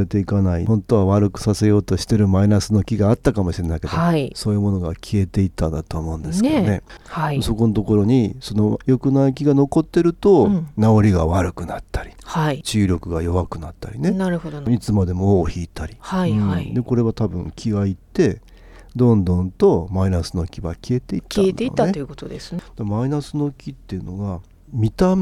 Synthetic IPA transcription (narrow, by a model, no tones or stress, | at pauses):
ɾe̞t̪e̞ikanaḭhõ̞nt̪o̞βaβaɾɯ̟kɯ̟̥sase̞jo̞ːt̪o̞ɕi̥t̪e̞ɾɯ̟mainasɨno̞kʲiɡaːt̪ːakamo̞ɕiɾe̞naikedoaiso̞ːjɯ̟mo̞no̞ɡakʲʰie̞t̪e̞it̪ːãnd̪at̪oːmo̞ɯ̟̃nd̪e̞sɨ̥aane̞haiso̞ko̞not̪o̞ko̞ɾo̞ɲ̟iso̞no̞jo̞kɯ̟naik̬ʲiɡano̞ko̞t̪ːe̞ɾɯ̟t̪o̞nao̞ɾʲiɡaβaɾɯ̟kɯ̟nat̪ːḁɾʲi̥hait͡ɕɨːɾʲo̞kɯ̟ɡajo̞βakɯ̟nat̪ːa̰ɾʲine̞naɾɯhod̪oit͡sɨmad̪e̞mo̞oːçiːt̪aɾʲihaiaid̪e̞ko̞ɾe̞βat̪abɯ̟̰̃ŋkʲʰiɡait̪ːe̞ | d̪õ̞nd̪õ̞nt̪o̞mainasɨno̞kʲiβa̰kʲie̞t̪e̞it̪ːaet̪d̪eḭːaeejɯkot̪od̪esɨd̪̥amainasɨno̞kʲit̪ːe̞jɯ̟no̞ɡa | mʲit̪am